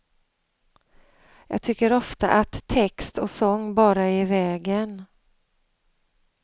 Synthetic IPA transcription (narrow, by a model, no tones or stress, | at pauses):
jɑ̰ːɡ̚t̪ʰʏkːəɾɔft̪a̰ʔat̪ʰːɛkst̪ɔsɔŋːbɑːɾaeːɾvɛːɡən